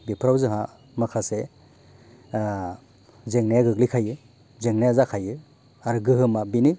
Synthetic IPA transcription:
bipʰɾawzɯɦa | makʰase | zeŋnajaɡɯɡlikʰajɯ | zeŋnajazakʰajɯ | aɾɯɡɯɦɯmabinɯ

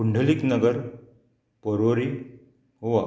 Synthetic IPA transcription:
uɳɖʱəliknəɡəɾ | pəɾʋoɾi | ɦoʋa

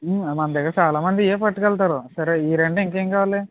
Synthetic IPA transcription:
mmɐnd̪ɐɡat͡ʃaːlaːmɐnd̪ieːpɐʈːukɐɭt̪aːɾusɐɾeiːɾeɳɖiŋkeŋkaːʋale

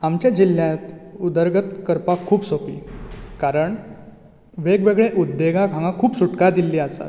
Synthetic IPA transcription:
amt͡ɕjad͡ʑilːjãt̪ud̪əɾɡət̪kəɾpakʰːuːbsopiːkaɾəɳ | ʋeɡʋeɡɭeʔud̪ːeɡãɡʱãŋɡãkʰuːpsuʈkad̪ilːiːəsa̰

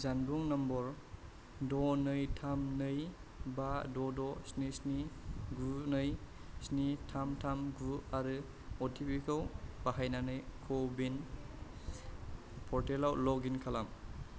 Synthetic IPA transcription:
zanbuŋnambɔɾ | dɔnɯjtʰamnɯjbadɔdɔsnisniɡunɯjsnitʰamtʰamɡuaɾɯ | ɔtʰipikʰɯwb̥aɦajnanɯjkʰɔbin | pʰɔɾtelawlɔɡinkʰalam

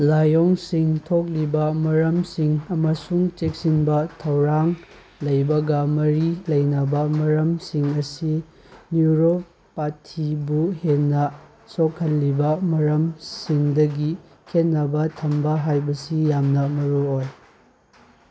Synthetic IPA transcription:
lajoŋsiŋtʰok̬̚libɐmɐɾɐmsiŋɐmɐsuŋt͡ʃek̚sinbɐtʰɐwɾaŋ | lɐjbɐɡɐmɐɾilɐjnɐbɐmɐɾɐmsiŋɐsi | njuɾo | patʰibuheːɐ | sokʰːɐlːibɐmɐɾɐmsiŋdɐɡi | kʰet̚nːɐbɐtʰɐmbɐɦajbɐsijamnɐmɐɾuoj

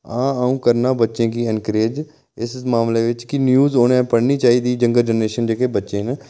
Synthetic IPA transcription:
ãːaːũːkəɾnaːbətːʃẽːkiːɪnkəɾeːd͡ʒ | ɪsmaːmleːʋɪt͡ʃkɪnjuːzoːnẽːpəɽniːt͡ʃaːiːd̪iːd͡ʒəŋɡəld͡ʒənɾeːʃənd͡ʒeːkeːbətːʃẽːn

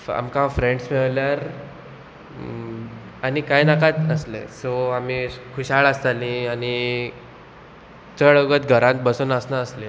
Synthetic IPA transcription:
a̰mkãfɾẽɳɖsmeɭljaɾ | anikajnakat̪əslḛ̃soam̤ikʰuɕaɭast̪alĩani | t͡səɭəɡət̪̚ɡʱəɾãnt̪̚bəsonəsnaəsle

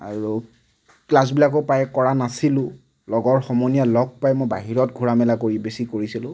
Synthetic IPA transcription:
a̰ɹu | klas̬bilak̬ʊpajɛkɔɹanasilʊ̃ | lɔɡɔɹxɔmɔnijalɔɡ̚pajmojbaɦiɹɔt̚ɡʱuɹamɛlakoɹibesikoɹisilʊ̃

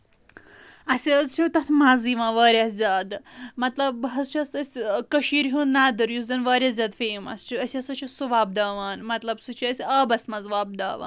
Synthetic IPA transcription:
ɐsʲiɐzt͡ʃʰit̪ɐt̪ʰmaːziːʋãːʋaːɾʲaːzʲaːd̪mɐt̪lɐbɦɐzt͡ʃʰiɐsɐsʲkɐʃiːɾɦunːaːd̪ɐɾjuzʲɐnʋaːɾʲjaːzʲaːd̪feːimɐ̰st͡ʃʰuɐsʲiɐsɐt͡ʃʰɐsuʋaːb̚d̪aːʋaːnmɐt̪lɐbsɨt͡ʃʰiɐsʲaːbɐsʲmɐzʋaːb̚d̪a̰ːʋa̰ːn

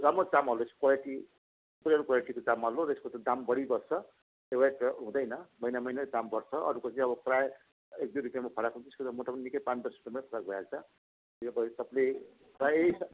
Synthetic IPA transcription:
ramot͡samɦʌlosʰi̥kwaleʈi | ppuɾaɾkwaleʈikot͡samɦʌloɾʌeskot̪ʌd̪ambʌɽibʌrt͡sʰʌ | ewaʈɦũd̪ʌjnʌmʌjnamʌjnad̪ambʌrt͡sʰʌʌ̰ɾukot͡sʰĩʌbʌpraj | ek̚d̪uɾipijamapʰʌɽakɦũnt̪iskot̪ʌmoʈapʌninikʌjpat͡sbʌɾsʈumapʰʌɽak̚bʱjakt͡sʰʌ | iʌbʌsʌple | raes

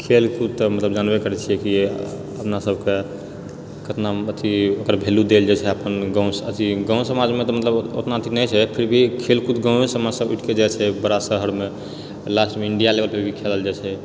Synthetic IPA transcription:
kʰelkut̪ːmət̪ləbd͡ʒanbekəɾɛt͡ʃʰijɛki | əpnasəbʱke | kət̪naət̪ʰiokəɾbʱelud̪eld͡ʒat͡ʃʰɛəpənɡãw̃sət̪ʰiɡãw̃səmad͡ʒmet̪ɔmət̪ləbot̪nat̪ʰinɛt͡ʃʰɛpʰiɾbʱikʰelkut̪ɡãmesəmasəbuʈʰked͡ʒat͡ʃʰɛbəɾasəɦəɾme | lasʈmeiɳɖijaleʋəlpʰiɾbʱikʰeləld͡ʒat͡ʃʰɛ

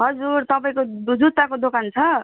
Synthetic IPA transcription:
ɦʌd͡zuɾt̪ʌpaĩkod͡zut̪ːakod̪okant͡sʰʌ

